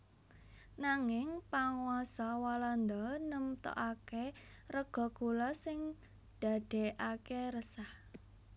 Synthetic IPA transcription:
naŋɪŋpaŋwasɔwaland̪ɔnəmt̪ɔ̰ʔake | rəɡ̥ɔ̤ɡ̥ulɔsɪŋ | d̪̥a̤d̪̥e̤ʔakeɾəsah

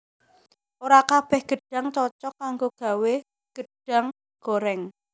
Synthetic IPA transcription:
oɾakab̥ɛhɡ̥ə̤ɖ̥a̤ŋt͡ʃɔt͡ʃɔkaŋɡoɡ̥a̤we | ɡ̥əɖ̥a̤ŋ | ɡ̥oɾɛŋ

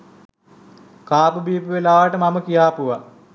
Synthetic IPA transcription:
kaːpubiːpəʋelaːʋaʈəmaməkijaːpuʋa

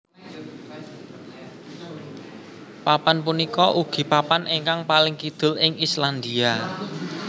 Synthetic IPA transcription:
papanpunikɔʔuɡ̥i̤papanʔeŋkaŋpalɪŋkid̪̥ʊ̤lɪŋisland̪ia

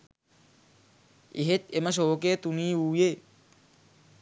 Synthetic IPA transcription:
iɦet̪̚emas̬oːket̪uniːuːje

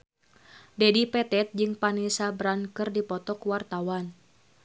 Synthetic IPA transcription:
dɛdipɛt̪ɛt̪̚d͡ʒɨŋpanisabɾankɨrdipɔt̪ɔkwart̪awan

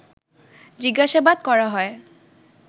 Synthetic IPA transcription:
d͡ʑiɡaʃabad̪kɔɹaɦɔe

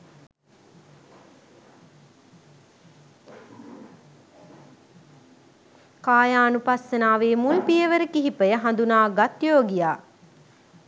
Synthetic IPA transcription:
kaːjaːnupasːənaːʋeːmulpijəʋəɾəkiɦipəjəɦand̪unaːɡat̪joːɡijaː

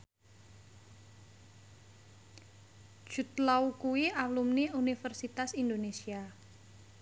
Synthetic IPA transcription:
d̥ʒ̥ṳt̪laukuwiʔalumniunifərsit̪asind̪onesia

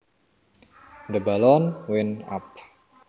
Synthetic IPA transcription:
d̪əbalɔnwɪna̰p̚

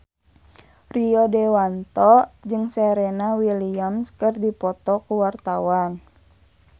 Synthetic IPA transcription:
riɔdɛwant̪ɔd͡ʒɨŋsɛɾenawiliamskɨrdipɔt̪ɔkuwart̪awan

